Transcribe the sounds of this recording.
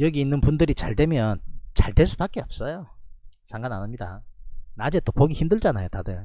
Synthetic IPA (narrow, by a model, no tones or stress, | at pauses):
jʌɡiːnːɯnpundɯɾit͡ɕaɭdwe̞mjʌnt͡ɕaɭdwe̞s̬͈ʰupak͈eʌp̚s͈ʌjosʰaŋɡananamɲida̰nad͡ʑe̞t͈opoɡiçimdɯɭd͡ʑanajotadɯ